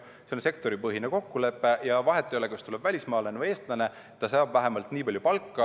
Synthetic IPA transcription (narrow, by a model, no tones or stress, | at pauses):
se̞nse̞kt̪o̞ɾipɤɦineko̞kːule̞pːe̞jɑvɑɦe̞t̪ːˑoølekɑst̪ule̞b̥vælʲismɑːlenvɤe̞ːst̪lɑne̞ | t̪ːɑsɑːbvæɦemɑlt̪niːpɑlʲjupɑlkːɑ